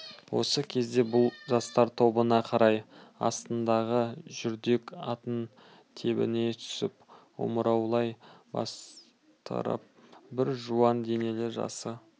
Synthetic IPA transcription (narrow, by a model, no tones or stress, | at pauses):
wo̞̰səkʲʰe̞zd̪e̞bʊlˠʒɑst̪ɑɾt̪ʰo̞bənɑqʰɑɾɑjɑ̰st̪ənd̪ɑʁəʒʏɾd̪e̞kɑt̪ən | t̪ʰe̞bɪ̰ne̞t̪ʰʏ̥sɪpwo̰məɾɑwlˠɑjbɑ̰s | t̪ə̰ɾə̰p̚bɪɾʒuɑnd̪e̞ne̞lɪʒɑ̰sə